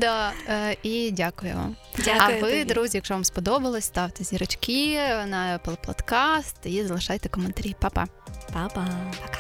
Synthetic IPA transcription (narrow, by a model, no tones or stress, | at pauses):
d̪a | idʲakʊjʊ̰ʋɑ̰mʲ | aɐʋɪd̪ɾuzʲijɐkʃɔʋɑmspɔd̪ɔbɐlˠɔsʲst̪ɑwt̪ezʲiɾɐt͡ʃkinɐɛplˠpɔ̰t̪kɑst̪izɐlˠɪʃɑjt̪ɛkɔment̪ɐɾʲipɑpɐ̰ | papɐ